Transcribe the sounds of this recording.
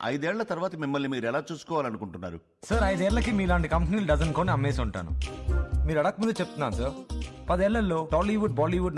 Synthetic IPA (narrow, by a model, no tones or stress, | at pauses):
ɐ̰jd̪uɛːɭːɐt̪ɐɾuʋaːt̪ɐmimːɐlːiːmiːɾuɛlaːt͡ʃuːsu̥kɔːʋaːlɐnukuɳʈunːa̰ːɾṵ | sɐɾɐjd̪ɛːɭːɐkimiːlaːɳʈikɐmpniːluɖɐzɐnko̞ːniɐmːeːs̬uɳʈa̰ːnṵmiːɾɐɽaːk̚mund̪ɐt͡ʃep̚t̪unːaːnsɐɾpɐd̪ɛːɭːɐlːo̞ːʈaːliʋuɖ̚baːliːʋuɖ